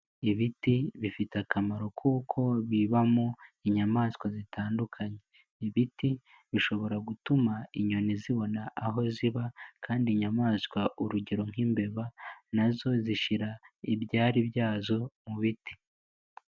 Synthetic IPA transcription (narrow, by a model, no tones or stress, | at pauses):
iβitiβifitakamaɾo̞kʰuːkʰo̞βiβamoiɲamaːskwazitaːndukʰaɲe̞ | iβiti | βiʃo̞βo̞ɾaɡutumaiɲoniziβo̞naʔːɦo̞ziβakʰaːndiɲamaːskwaʔuɾuɟe̞ɾo̞ŋ̥imbe̞βanazo̞ziʃiɾaibɟaːɾibjaːzo̞muβiti̥